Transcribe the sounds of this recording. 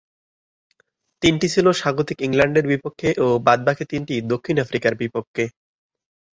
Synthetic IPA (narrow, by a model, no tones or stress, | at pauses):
t̪inʈit͡ɕʰiloʃaɡot̪ikiŋlaɳɖeɾbipokʰːeʔobad̪̚bakʰet̪inʈid̪okʰːinafɾikaɾbipokʰːe